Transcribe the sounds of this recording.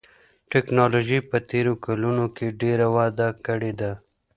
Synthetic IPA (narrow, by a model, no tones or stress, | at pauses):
ʈɛknɑloʒipət̪eɾokalunokeɖeɾawɑd̪akəɽed̪a